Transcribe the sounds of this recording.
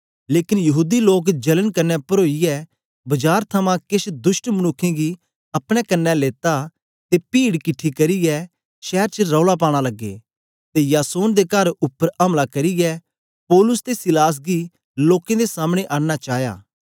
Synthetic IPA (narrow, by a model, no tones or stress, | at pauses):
leːkɪnjɐɦuːd̪iloːk̬d͡ʒɐlənkɐnːɛpɐɾoːijɛ | bɐd͡ʒaːɾt̪ʰɐmãkɪʃd̪ʊʃʈmɐñʊkʰːẽɡi | ɐpɽ̃ɛkɐnːɛleːt̪a | t̪epiːɽkɪʈʰːikɐɾijɛ | ʃɛːɾt͡ʃəɾɔːɭap̬aːɽ̃alɐɡːḛː | t̪ejaːsoːnd̪ekɐɾʊpːəɾɐmlakɐɾiɡɛ | pɔːlʊst̪esɪlaːs̬ɡi | loːkẽd̪esaːmɽ̃eʔaːɽnat͡ʃaːja̰ː